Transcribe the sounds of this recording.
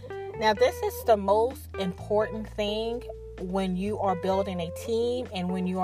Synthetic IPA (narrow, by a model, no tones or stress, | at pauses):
naʊðɪsɨzðəmoʊstɨ̃mpʰɔɹʔn̩θɪ̃ŋ | wə̃njɨʔə˞bɪlˠdɪ̃ŋɨtʰĩmɨ̃nwɨ̃njɨə